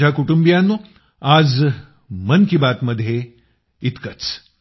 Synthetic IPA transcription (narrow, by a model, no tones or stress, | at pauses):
akuʈumbijanːu | aːd͡z | mənkibaːt̪məd̪ʱːje | it̪kət͡s